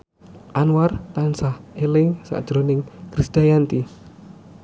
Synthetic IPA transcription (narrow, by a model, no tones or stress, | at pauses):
ʔanwart̪ansahelɪŋsa̰d̥ʒ̥ɾonɪŋkɾisd̪̥ajant̪i